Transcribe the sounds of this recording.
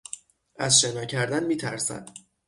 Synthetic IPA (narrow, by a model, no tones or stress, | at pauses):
æzʃe̞nɒːcʰæɾd̪ænmiːt̪ʰæɾsæ̰d̪̥